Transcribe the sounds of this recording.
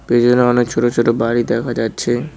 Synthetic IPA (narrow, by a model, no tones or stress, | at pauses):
b̥ed͡ʑonːeɔnekt͡ɕʰoʈot͡ɕʰoʈobaɾid̪ɛkʰad͡ʑatːɕʰe